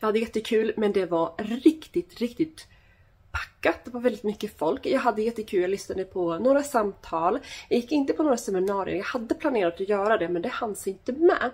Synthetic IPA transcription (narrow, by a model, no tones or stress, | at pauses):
jɑhad̪ːəjɛt̪ːəkʰʉ̟ːlmɛnd̪ɛvaɾɾɪkt̪ɪt̪ɾɪkt̪ɪt̪ | pʰḁkːat̪̚d̪ɛvaɾvɛlɪt̪mʏkːəfɔlkjɑːɡɦad̪ːəjɛt̪ːəkʰʉljaːɡlʏsnad̪əpʰɔnoːɾasamt̪ʰɑːljɑːjɪkːɪnt̪əpʰɔnoːɾasɛmɪnɑːɾɪ̰ə̰jɑːɡhad̪ːəpʰlaneːɾat̪ɔjœːɾad̪ɛmɛnd̪ɛhand̪sɪnt̪əmɛ̰